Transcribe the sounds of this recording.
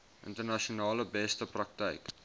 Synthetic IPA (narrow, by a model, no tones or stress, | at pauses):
ʔə̰ntərnaʃonɑːləbɛstəprɐk̚tə̰ɪk